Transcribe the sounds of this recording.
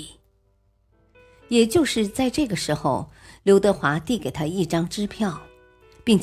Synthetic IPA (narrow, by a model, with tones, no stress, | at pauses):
jɛ˨˩t͡ɕjo˥˧ʊʂɻ̩˥˧t͡sa˥˧ɪʈ͡ʂɤ˥˩ɡə˩ʂɻ̩˧˥xo˧ʊljo˧˥ʊt̪ɤ˧˥xwa˧˥t̪i˥˩ke˨˩ɪt̪ʰa˥i˥˩ʈ͡ʂɑ˥ŋʈ͡ʂɻ̩˥pʰjɑ˥˩ʊ | pi˥˩ŋ